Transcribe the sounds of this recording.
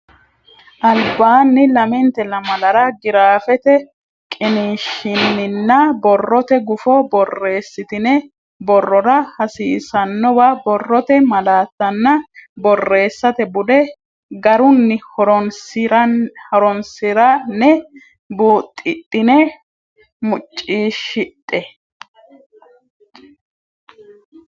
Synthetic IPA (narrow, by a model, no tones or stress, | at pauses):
ʔɐlbaːnːɪlɐmɛnt̪ɛlɐmɐlɐɾɐɡɪɾaːfɛt̪ɛ | kʼɪniːʃːɪnːɪnːɐbɔrːɔt̪ɛɡʊfɔbɔrːe̞ːsːɪt̪ɪnɛ | bɔrːɔɾɐhɐsiːsɐnːɔwabɔrːɔt̪ɛmɐlaːt̪ːɐnːɐbɔrːe̞ːsːɐt̪ɛbʊd̪ɛ | ɡɐɾʊnːɪhɔɾɾɔɾɔnsɪɾɐnɛ | buːt̪ʼːɪt̪ʼːɪnɛ | mʊt͡ʃʼːiːʃɪt̪ʼːɛ